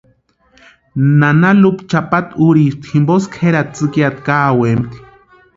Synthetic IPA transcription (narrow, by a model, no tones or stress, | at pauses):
nanalupt͡ʃapat̪uɾiːst̪himboskʰheɾat̪̚t͡sɨkjat̪kaːwemt̪i̥